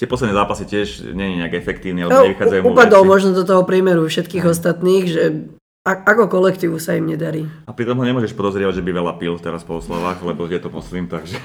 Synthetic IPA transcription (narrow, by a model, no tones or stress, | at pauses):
t̪ɪɛpɔslɛd̪nɛzaːpasicɪɛʒɲɛɲiɲɛaɡɛfɛkt̪iːʊnialɛɲɛʋixad͡zajumuupad̪ɔlmɔʒnɔd̪ɔt̪ɔɦɔpɾɪɛmɛɾufʃɛt̪kiːɣɔst̪at̪niːɣʒɛ | aakɔkɔlɛkt̪iːʋusaimɲɛd̪aɾiːapɾit̪ɔmɦɔɲɛmʊɔʒɛʃpɔd̪ɔzɾɪɛʋaɟʒɛbiʋɛlapilt̪ɛɾaspɔɔslɔʋaːɣlɛbɔjɛt̪ɔmɔsliːmt̪aɡʒɛ